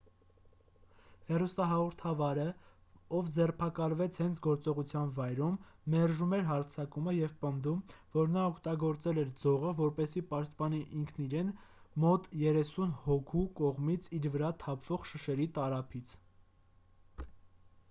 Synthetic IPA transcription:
hɛrust̪ɑɦɑʁɔɾt̪ʰɑvɑɾəɔvd͡zɛrpʰɑkɑlvɛt͡sʰhɛnt͡sʰɡɔɾt͡sɔʁut͡sʰjɑnvɑjɾumːɛrʒumɛɾɦɑɾt͡sʰɑkuməjɛvpənd̪umvɔɾnɑɔkʰt̪ɑɡɔɾt͡sɛlɛɾd͡zɔʁəvɔɾpɛsipɑʃt̪̚pɑniʔiŋkʰniɾɛnmɔt̪jɛɾɛsunhɔkʰukɔʁmit͡sʰiɾvəɾɑt̪ʰɑpʰv̥ɔʁʃəʃɛɾit̪ɑɾɑpʰit͡sʰ

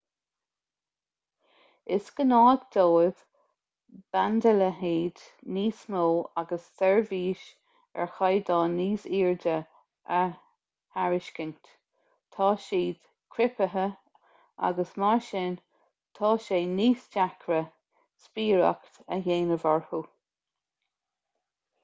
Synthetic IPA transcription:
ɪskənɑːɡd̪̥oːɪð̥ | b̥and̪ələɦiːd̪niːsnoːaɡəssɛɹviːʃ | ɛ̰ɹxajd̪ɑːniːsiːɹdə | ə | haɹɪʃkənt | t̪ʰɑːʃiːd̪̥ | kʰɾɪpəɦə | a̰ɡəsmaɹʃɪn | t̪ʰɑːʃeːniːsd͡ʒakʰɾə | spiːɹa̰kt̪ə̰jeːnəvaɹhu

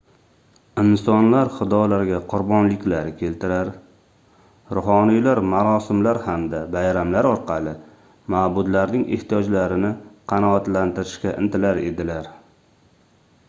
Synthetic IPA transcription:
ɪnsɒnlaɾχɨd̪ɒjlaɾɡʲaqʰʊɾbɒnlɪkʲlaɾɪkʲʰe̞lt̪ɪɾaɾ | ɾʊhɒnijlaɾmaɾɒsɪmlaɾhamd̪abajɾamlaɾɒɾqʰɑlˠɪ | maːbʊd̪laɾnɪŋʔḛht̪ijɒd͡ʒlaɾɪnɪqʰɑnɒat̪lant̪ɪɾɪʃkʲaʔɪ̰nt̪ʰɪlaɾe̞̰d̪ɪlaɾ

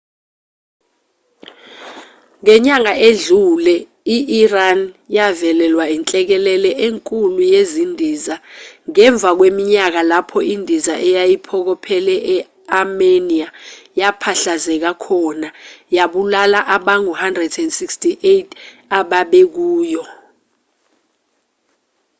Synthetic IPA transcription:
ŋɛɲaŋaʔeɮulɛ | iʔiranjavɛlɛlwaint͡ɬʼɛk̬ɛlɛlɛʔeŋkʼulujezindʱizaŋɛɱb̪vʱak̬wemiɲak̬alapʰɔindʱizaʔɛjajipʰɔk̬ɔpʰɛlɛʔɛ | ameniajapʰaɬazɛk̬akʰɔnajaɓulalaʔaɓaŋuhandrɛdɛndsikstʰʼiʔetʰaɓaɓɛk̬uːjɔ

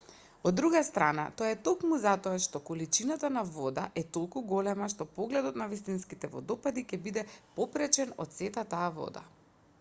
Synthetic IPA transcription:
od̪ːɾuɡast̪ɾana̰t̪ojaɛt̪okmuzat̪ɔaʃt̪ɔkɔlit͡ʃinat̪anavɔd̪aʔɛt̪olˠkuɡɔlɛmaʃt̪ɔpɔɡlɛd̪ɔt̪navist̪inskit̪ɛvɔ̰d̪ɔpad̪ikɛbid̪ɛpɔpɾɛt͡ʃɛnɔ̰t̪t̪sɛt̪at̪aːvɔ̰d̪a̰

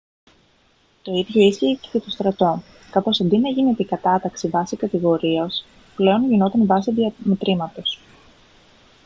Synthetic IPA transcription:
t̪o̞iðʝo̞isçicecet̪o̞st̪ɾɐt̪o̞ | kɐfo̞sɐnd̪inɐʝinet̪ikɐt̪ɐt̪ɐksivɐsikɐt̪iɣo̞ɾiɐs | ple̞o̞nʝino̞t̪ɐnvɐsiðɐmet̪ɾimɐt̪o̞s

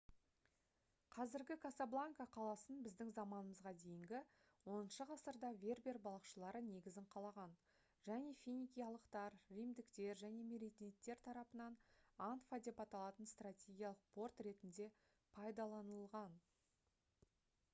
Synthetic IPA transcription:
qʰɑzɪɾɡʲɪkʰasablˠaŋkaqʰɑlˠɑsənbɪzd̪ɪŋzɑmɑnəməzʁɑd̪e̞jɪŋɡʲɪ | wo̞nənʃəʁɑsəɾd̪ɑvʲe̞rbʲe̞rbɑlˠɑqʃəlˠɑɾəne̞ɡʲɪzɪɴqʰɑlˠɑʁɑn | ʒ̥æne̞fʲinʲikʲijɑlˠəqt̪ɑɾrijmd̪ɪkt̪e̞ɾʒæne̞meɾit̪net̪ːe̞ɾt̪ʰɑɾɑpənɑnant̪fad̪e̞pɑt̪ɑlˠɑt̪ənst̪ratʲe̞ɡʲijɑlˠəq̚po̞rt̪re̞t̪ɪnd̪e̞ | pʰɑjd̪ɑlˠɑnəlˠʁɑn

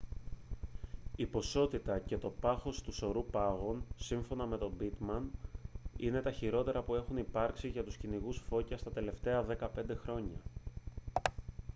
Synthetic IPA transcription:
ipo̞so̞t̪it̪ɐce̞t̪o̞pɐxo̞st̪uso̞ɾupɐɣo̞nsiɱfo̞nɐme̞t̪o̞bit̪mɐn | ine̞t̪ɐçiɾo̞t̪e̞ɾɐpue̞xunipɐɾksiʝɐt̪usciniɣusfo̞cɐst̪ɐt̪e̞le̞ft̪e̞ɐðe̞kɐpe̞nd̪e̞xɾo̞ɲɐ

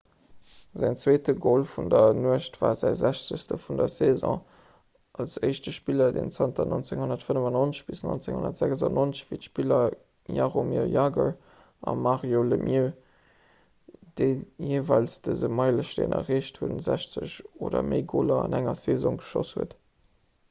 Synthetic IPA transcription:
zæŋt͡sweːtəɡolfundɐnuəʃtv̥aːzæɪzæɕt͡səɕstəfundɐzezɔ̰̃ː | ʔɑlsəɪʃtəʃpilɐdḛnt͡sɑntʰɐnont͡seŋhonɐtfənəvɑnonəɕb̥isnont͡seŋhonɐ̰tz̥æɡzɑnʔont͡səɕvitʃpilɐ | jaʁomjojaːɡə | ʔɑmaʁjoləmʔjə | d̥əɪjeːvɑɪlsd̥əzəmɑɪləʃtḛnʔɐ̰ʁeːʃthuənzæɕt͡səɕoːdɐ̰məɪɡoːlɐɑnæŋɐsezõŋɡə̥ʃoshuət

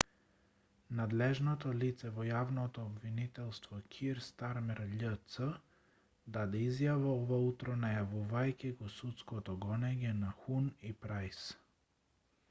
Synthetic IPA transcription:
nad̪lɛʒnɔt̪ɔlit̪sɛvɔjavnɔt̪ɔːbvinit̪ɛlˠst̪vɔkʲʰiɾst̪aɾmɛɾʎət̪sə | d̪ad̪ɛizjavaɔvaut̪ɾɔnajavuvajkʲiɡɔsut̪skɔt̪ɔɡɔnɛɲɛnaxunipɾajs

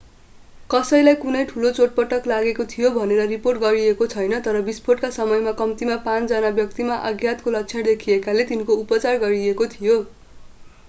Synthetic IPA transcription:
kʌsʌjlajkunʌjʈʰulot͡soʈ̚pʌʈʌklaɡekot̪ʰijobʱʌneɾʌriporʈ̚ɡʌɾiekot͡sʰʌjnʌt̪ʌɾʌbispʰoʈkasʌmʌjmakʌmt̪imapãt͡sd͡zʌnabjʌk̚t̪imaʔʌɡʱjat̪kolʌk̚t͡sʰʌ̃d̪ekʰiekalet̪inkoupʌt͡sarɡʌɾiekot̪ʰijo

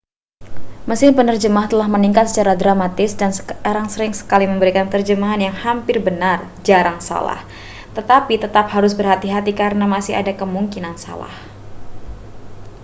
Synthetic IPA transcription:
məsɪhpənərd͡ʒəmaht̪əlahməniŋkat̪sə̥t͡ʃaɾadɾamat̪ɪsdansəkaɾaŋsəɾɪŋsə̥kaliməmbəɾikant̪ərd͡ʒəmaɦanjaŋhampɪrbənar | d͡ʒaɾaŋsa̰la̰h | t̪ət̪apit̪ət̪ap̚haɾʊs̬bərɦat̪iɦat̪ikaɾənamasɪɦa̰dakəmuŋkinansa̰la̰hh

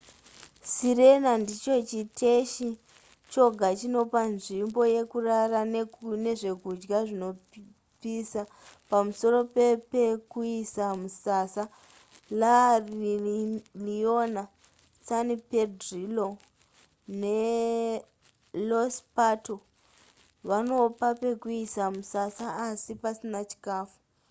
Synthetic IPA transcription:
siɾe̞nandit͡ʃo̞t͡ʃitʰeʃi | t͡ʃo̞ɡʱat͡ʃino̞panʐimbo̞je̞kuraranne̞ʐe̞kud͡ʒɡaʐino̞p | pisa | pamuso̞ro̞pe̞pekuisamusasa | lar | liona | sanipedrilo | ne̞ | lospato | ʋano̞pape̞kuisamusasaːsipasinat͡ʃi̥kaːfu

